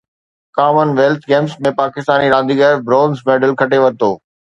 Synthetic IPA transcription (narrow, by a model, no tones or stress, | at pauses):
kaːmənʋeːlt̪ʰɡeːmsmẽpaːkɪst̪aːniɾãːnd̪iɡɛːɾbɾoːnzmẽɖəlkʰɐʈeʋɐɾt̪oː